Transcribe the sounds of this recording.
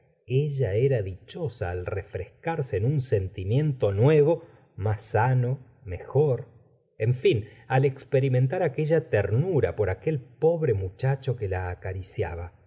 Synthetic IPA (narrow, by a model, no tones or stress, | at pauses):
eʒaeɾaðit͡ʃo̞saːlrefɾeskaɾseːnunse̞nt̪imjẽ̞nt̪o̞nwe̞β̞o̞ | masːano̞ | me̞xo̞ɾ | eɱfinalekspeɾiment̪aɾake̞ʒat̪eɾnuɾa̰po̞ɾake̞lpo̞βɾemut͡ʃat͡ʃo̞kelaːkaɾisja̰βa